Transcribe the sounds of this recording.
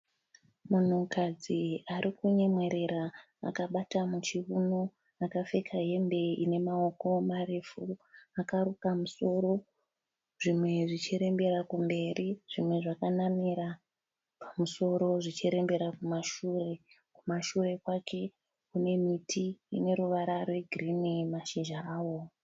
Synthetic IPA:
mun̤ukad͡ziaɾʔikuɲemwe̞ɾe̞ɾa | a̰kaɓatamut͡ʃiuno | akafe̞kʰaɦe̞mbe̞ḭne̞mao̞ko̞maɾefuakaɾukamuso̞ɾo̞ | ʐ̥imwe̞ʐit͡ʃiɾe̞mbe̞ɾakumbe̞ɾiʐ̥imwe̞ʐakanamiɾa | pamuso̞ɾo̞ʐit͡ʃiɾe̞mbe̞ɾakumaʃure̞ | kumaʃure̞kwakʰe̞ | kune̞mitʰiḭne̞ɾuʋaɾarwe̞ɡʱirinimaʃiʒaaːwo̞

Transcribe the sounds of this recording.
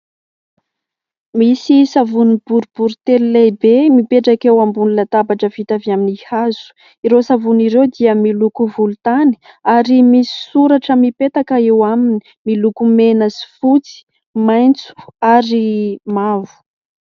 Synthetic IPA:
misisavunib̥uɾubuɾut̪elilajbemipeʈ͡ʂakewambunilat̪abaʈ͡ʂəvit̪aviaminihaz̥u̥ | iɾosavuniɾewd̪iəmilukuvulut̪ani̥ | aɾimisi̥suɾaʈ͡ʂəmipet̪akəewamini̥ | milukumenəsi̥fut͡si̥ | majnt͡su̥aɾimavu̥

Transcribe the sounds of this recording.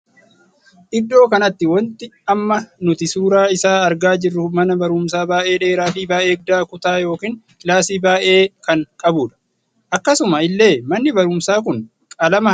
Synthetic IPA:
ʔɪd̪ːo̞ːkɐnɐt̪ːɪwɔnt̪ɪɐmːɐnʊt̪ɪsuːɾaːɪsaːɐɾɡaːd͡ʒɪrːʊmɐnɐbɐɾʊːmsaːbaːʔe̞ːᶑe̞ːɾaːfiːbaːʔeːɡ̚d̪aːkʊt̪aːjo̞ːkiːn | laːsiːbaːʔe̞ːkɐŋkʼɐbuːᶑɐ̥ | ʔɐkːɐsʊmɐɪlːe̞ːmɐnːɪbɐɾʊmsaːk̬ʊn | kʼɐlɐmɐ

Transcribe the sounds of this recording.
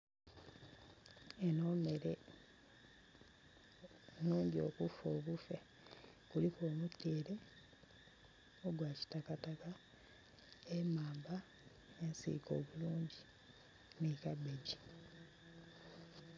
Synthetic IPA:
enoːme̞ɾe | nuːɲɟio̞̰kufo̞ːβufe | kulikoːmutːeːɾe̞ | oɡwaːci̥takataka | emaːmba | ensḭko̞ːβuluːɲɟi | nikabeɟi

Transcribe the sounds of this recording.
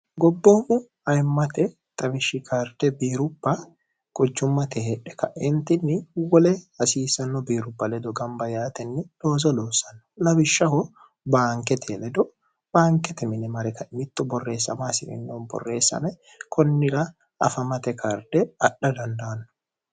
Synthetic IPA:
ɡɔbːoːmʊ | ɐjmːɐt̪ɛ | t̪ʼɐbɪʃːɪkʰaːɾd̪̥ɛbiːɾʊbːɐ | kʼɔd͡ʒːʊmːɐt̪ɛhɛᶑɛ̥kɐʔɛnt̪ɪnːɪwɔlɛhɐsiːsɐnːɔbiːɾʊbːɐlɛd̪ɔɡɐmbɐjaːt̪ɛnːɪloːzɔloːsɐnːɔ̥lɐbɪʃːɐhɔ | baːŋkɛt̪ʰɛlɛd̪ɔ | b̥aːŋkɛt̪ɛmɪnɛmɐɾɛkɐɪmɪt̪ːɔbɔrːe̞ːsːɐ̰maːsɪʔɪ̰nːoːnbɔ̰rːeːsːɐ̰mɛ | kʰɔnːɪɾɐ | ɐ̰fɐmɐt̪ɛkʰaːɾd̪ɛɐɗɐd̪ɐnd̪ɐɐnːɔ̥

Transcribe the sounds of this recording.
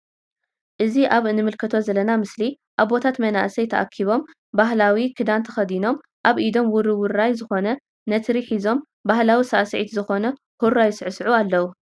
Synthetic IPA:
ʔɨziʔaβɨnːɨmɨlkʰɐt̪ʰo̞zɐlɐnamɨsli | ʔaβːo̞t̪ʰat̪mɐna̰ʔsɐjt̪ʰɐʔa̰kʰiβo̞m | baɦlawikʰɨd̪ant̪ʰɐxɐd̪ino̞m | ʔaβʔid̪o̞mwʊɾɨwʊɾajzɨxo̞nɐ | nɐt̪ɾiħizo̞m | bahlawisaʔsɐʕit̪zɨxo̞nɐ | huɾajsɨʕɨsʕualːɐwu

